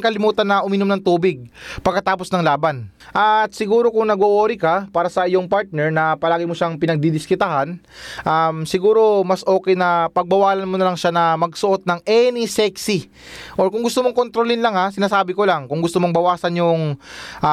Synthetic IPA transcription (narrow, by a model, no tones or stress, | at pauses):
ŋkɐlɪmuːt̪ɐnːɐʔʊmɪnomnɐŋt̪uːbɪɡ̚pɐɡ̚kːɐt̪aːposnɐŋlaːbɐn | ʔɐt̪̚sɪɡuːɾo̞kʊŋnɐɡoʔoːɾɪkɐpaːɾɐsɐʔɪjo̞ŋpaɹt̪̚nɛɹnɐpɐlaːɡɪmoʃaŋpɪnɐɡ̚d̪id̪ɪskɪt̪ɐɦanʔamsɪɡuːɾo̞mɐsʔo̞ːkɛjnɐpɐɡ̚bɐwaːlɐnmonɐlɐŋʃanɐmɐɡsʊʔo̞t̪̚nɐŋʔɛnɪsɛksi | ʔoɹkʊŋɡʊst̪omo̞ŋkont̪ɾolɪnlɐŋasɪnaːsaːbɪkolaŋkʊŋɡʊst̪omoŋbɐwaːsɐnjʊŋʔa